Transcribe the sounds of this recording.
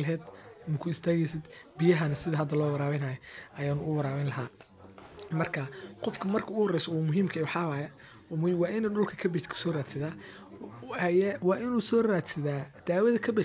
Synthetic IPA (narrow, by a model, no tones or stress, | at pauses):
lɦɛːd̪nʊkʰʊɪst̪ʰaːɣɛjsɐd̪bɪjɐɦɐnɐsɪðɐɦɐd̪ɐlɔːwɐɾaːβɛnaːjɔʔɐjaːnʊʔʊwɐɾaːβɛnlɐɦaː | mɐrkʰɐqɔfkʰɐmɐrkʰɐʊhɔrɛjsɔuːmʊɦiːmkʰɐɛwħɑwaːjɐ | ɔmːwɑːʔɪnɛɖʊlkʰɐkʰɐbɛkʰsɔːraːd̪sɪðaː | hɐjɛwɑːʔɪnuːsɔːraːd̪sɪðaːd̪̥aːwɐðɐkʰɐbɛ